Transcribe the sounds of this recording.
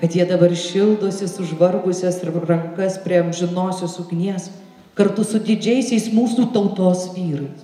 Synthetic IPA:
kɐt̪jiɛd̪ɐbɐrʃʲɪlˠd̪oːsʲɪsʊʒʋɐrɡʊsʲɛsɪrɐŋkɐspʲɾʲiɛɐmʲʒʲɪnoːsʲoːsʊɡʲnʲiɛs | kɐɾt̪ʊsʊd̪ʲɪd͡ʒʲɛɪsʲɛɪsmuːsuːt̪ɐʊt̪oːsʋʲiːɾɐɪs

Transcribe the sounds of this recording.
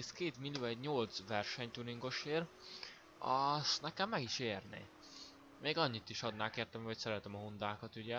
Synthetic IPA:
skeːt̪milːijoːɛɟɲo̞lt̪sʋɛrʃɛɲt̪uɾiŋɡo̞ʃeːr | ɒst̪nɛkɛmːɛɡiʃeːrnḛː | meːɡɒɲːit̪iʃɒd̪naːkeːrt̪ɛmɒcsɛɾɛt̪ɛmɒɦund̪aːkɒt̪yɟɛ

